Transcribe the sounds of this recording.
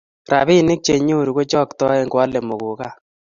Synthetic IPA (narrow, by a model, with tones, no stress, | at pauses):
ɾa̰˨βi˦˨nɪ˦k̚t͡ʃe˨ɲo˦˨ɾu˨ɡo˦t͡ʃɔ˦ktɔ˦ɛ˦ŋɡwa˦le˨mo˨ɣu˨ka˦˨